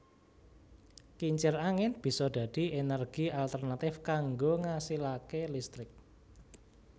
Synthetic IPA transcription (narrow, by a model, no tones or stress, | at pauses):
kiɲt͡ʃɪraŋɪnb̥i̤sɔɖ̪̥a̤d̥i̤enərɡ̥ialt̪ərnat̪ɪfkaŋɡoŋasilakelist̪ɾɪk̚